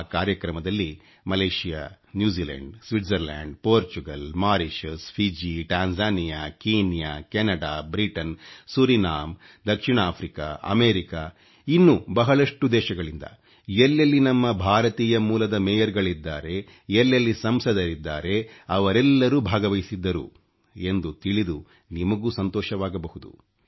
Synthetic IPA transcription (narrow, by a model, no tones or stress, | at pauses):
kaːɾjɐkɾɐmɐd̪ɐlːi | mɐleːʃija̰ː | njuːd͡ʒiːlɐ̰ɳɖsʋiʈzɐɾla̰ːɳɖpoːɾt͡ʃuɡɐlmaːɾiʃuspʰid͡ʒiʈaːnd͡ʒaːnijaːkiːnjaːkɛnɐɽaːbɾiʈɐnsuɾinaːm | d̪ɐkʂiɳaːpʰɾika̰ɐ̰meːɾika | inːubɐɦɐɭɐʂʈud̪ɛːʃɐɡɐɭind̪ɐ̰ | elːɐlːinɐmːɐbʱaːɾɐt̪iːjɐmuːlɐd̪ɐmɛːjɐɾɡɐɭid̪ːaːɾe̞ | ɛlːɐlːisɐmsɐd̪ɐɾid̪ːaːɾe̞ɐʋɐɾɛlːɐɾuːbʱaːɡɐʋɐjisid̪ːɐɾṵ | e̞nd̪ut̪iɭid̪u | nimɐɡuːsɐnt̪ɔːʃɐʋaːɡɐbɐɦud̪ṵ